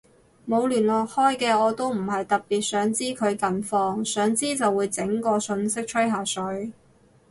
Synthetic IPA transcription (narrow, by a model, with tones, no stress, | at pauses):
mo˨˧wlyː˨˩nlɔː˨˩k̚hɔː˥jkɛː˧ɔː˨˧t̪o˥wm̩˨˩ɦɐ˨jt̪ɐ˨k̚piː˨t̚sœː˨˥ŋt͡siː˥kʰɵ˨˧ɥkɐ˨nfɔː˧ŋsœː˨˥ŋt͡siː˥t͡sɐ˨wːuː˨˧jt͡sɪ˨˥ŋkɔː˧sɵ˧nsɪ˥k̚t͡ʃʰɵ˥ɥɦaː˨˩sɵ˨˥ɥ